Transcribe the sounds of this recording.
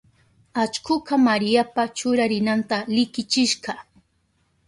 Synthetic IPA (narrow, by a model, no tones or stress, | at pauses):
at͡ʃkʊkamaɾɪjapat͡ʃʊɾaɾɪnant̪alɪkɪt͡ʃɪʃɢɑ